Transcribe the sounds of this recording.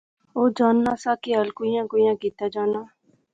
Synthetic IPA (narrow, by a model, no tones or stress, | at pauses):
oːd͡ʒaːnːaːsaːkeaːlkoːijãːkoːijãːkiːt̪aːd͡ʒaːnaː